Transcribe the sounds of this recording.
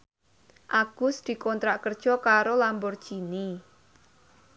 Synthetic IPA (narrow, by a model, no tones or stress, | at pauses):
ʔaɡ̥ʊsd̪̥i̤kɔnt̪ɾaʔkərd̥ʒ̥ɔ̤kaɾolambɔrd̥ʒ̥ini